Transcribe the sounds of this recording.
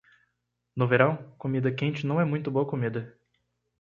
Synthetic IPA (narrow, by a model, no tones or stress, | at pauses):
nʊveɾɐ̃w̃komid̪ɐkẽnt͡ʃɪnɐ̃w̃ɛmũj̃t̪ʊboɐkomid̪ɐ